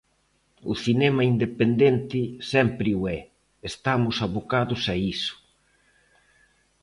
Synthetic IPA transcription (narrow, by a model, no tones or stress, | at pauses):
ʊ̰θinɛmɐind̪epend̪ɛnt̪ɪsɛmpɾɪuɛ | est̪amʊsaβokaðʊsaisʊ̥